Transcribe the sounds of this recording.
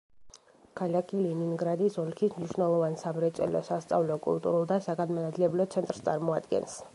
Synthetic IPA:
kʰalakʰiliniŋɡɾad̪isɔlkʰismniʃwnɛlˠɔvansamɾɛt̪sʼɛ̰lɔ̰sast̪sʼa̰vlɔkʼṵlˠt̪ʼuɾulˠd̪asaɡad̪manad̪ilɛblɔt̪sʰɛnt̪ʼɾst̪sʼaɾmɔad̪ɡɛ̰ns

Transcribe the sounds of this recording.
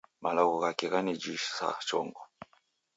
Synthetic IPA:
malɔɣɔɣakiɣanid͡ʒiʃsa̰t͡ʃɔ̰ŋɡɔ

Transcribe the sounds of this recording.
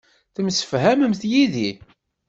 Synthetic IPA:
θəmsə̥fɦæməmθjiði

